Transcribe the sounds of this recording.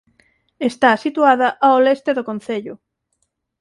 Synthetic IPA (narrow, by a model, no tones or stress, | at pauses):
est̪asit̪uaðɐʔaolest̪eðokõn̟θeʎʊ